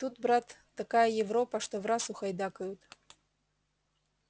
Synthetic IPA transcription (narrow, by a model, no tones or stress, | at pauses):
t̪ut̪bɾat̪ːakajɐjɛvɾɔpɐʂt̪ɔvɾasuxɐjd̪akɐjut̪